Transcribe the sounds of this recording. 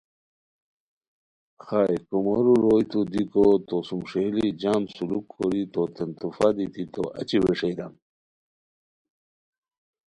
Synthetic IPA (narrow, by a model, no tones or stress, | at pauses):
xaekumoɾuɾoːjt̪ud̪ikot̪osumʂehlid͡ʑaːmsulukʰːoɾit̪ot̪ent̪ufad̪it̪it̪o̰ɐ̰t͡ɕiweʂejd̪am